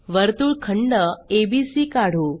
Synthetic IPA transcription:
ʋəɾt̪uːɭkʰəɳɖəebisiːkaɽ̤uː

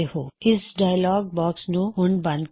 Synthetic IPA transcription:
ehoːɪsɖaːɪlɔːɡ̚bɔːksnũɦʊɳbɐ̃nd̪

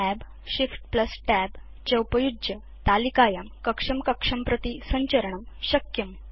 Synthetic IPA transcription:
æb | ɕifʈpləsʈɛb | t͡ɕəwpəjud͡ʑjə | t̪alikajɐmkəkʂɐmkəkʂɐmpɾət̪isəɲt͡ɕəɾəɳəm | ɕəkjəm

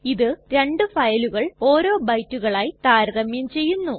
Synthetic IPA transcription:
iðɨɾe̞ɳɖɨfɐjɐluɣɐɭo̞ːɾo̞ːbɐjtːuɣɐɭaːjt̪aːɾɡɐmjɐmt͡ɕe̞jːunːu

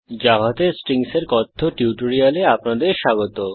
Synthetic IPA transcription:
d͡ʑaɦat̪esʈɾiŋseɾkɔt̪ʰːoʈjuwʈoɾialeapnad̪eɾʃaɡot̪o

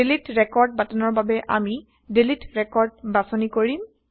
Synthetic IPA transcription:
elitɹɛkɔɹd̚batanɔɹbabɛʔa̰mi | delitɹɛkɔɹd̚basɔnikoɹim

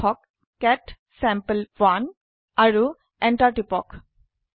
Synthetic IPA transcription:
ɔkː | ɛʈ | sɛmpəlʋan | aɹu | ɛɳʈaʈipɔk

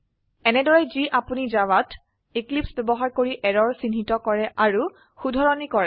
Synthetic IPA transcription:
ɛnɛdɔɹɛziʔapunizawat | iklipsbɛbɔɦaɹkoɹiʔɛɹɔɹsinɦitɔkɔɹɛʔaɹu | xudʱɔɹɔnikɔɹɛ

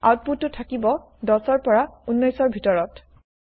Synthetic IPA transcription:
a̰wt̚putːʊtʰːakibɔ | dɔsɔɹpɔɹaunːɔjsɔɹbʱitɔɹɔt

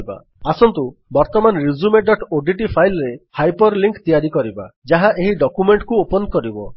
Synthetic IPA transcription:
ba̰ | asɔnt̪ubɔɾt̪ɔmanɔɾid͡ʒumeɖɔʈoɖiʈipʰajlɔɾehajpɔɾliŋkt̪ijaɾikɔɾiba̰d͡ʒaɦaʔeɦiɖɔkumeɳʈkuopɔnkɔɾibɔ

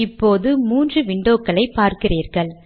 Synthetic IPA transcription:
ɪpːoːðɯmuːndrɯʋɪɳɖoːkːɐɭɐɪpaːɾkɪriːɾɣɐɭ

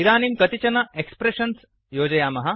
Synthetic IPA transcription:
iɾaːnimkɐt̪it͡ɕɐnɐekspɾeɕɐns | joːd͡ʑɐjaːmɐɦɐ

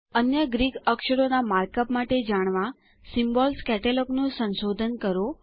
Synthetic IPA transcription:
ənjəɡɾikəkʃəɾonamaɾkəpmaʈed͡ʒaɽ̃ʋã | simbɔlskɛʈelɔknõsə̃nʃod̪ʱənkəɾo

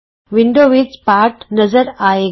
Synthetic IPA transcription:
ʋɪɳɖoːʋiːt͡ʃpaːɾʈnɐzɐɾaːj

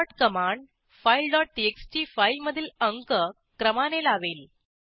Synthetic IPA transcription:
ʈkəmaɳɖ | failɖɔʈ̚ʈiekst͡ɕifailməd̪ʱiːləŋkə | kɾəmanelaʋeːl

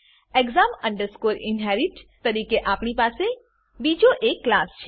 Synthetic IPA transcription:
eɡzamə̃ɳɖəɾskoɾɪnɦɛɾɪʈt̪əɾiːkeʔaːpɳipaːse | bid͡ʒoʔekːlaːst͡ʃʰe

